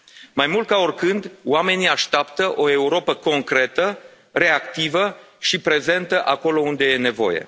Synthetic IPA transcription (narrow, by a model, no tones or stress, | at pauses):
majmult̪kaorkɨnd̪wame̞niaʃt̪apt̪əʔo̞e̞uɾo̞pəko̞ŋkɾe̞t̪ə | re̞akt̪ivə | ʃipɾe̞ze̞nt̪əʔako̞lo̞und̪e̞je̞ne̞vo̞̰je̞̰